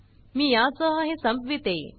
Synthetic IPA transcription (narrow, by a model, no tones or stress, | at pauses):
miːjãt͡səɦəɦẽsəmbʱʋit̪e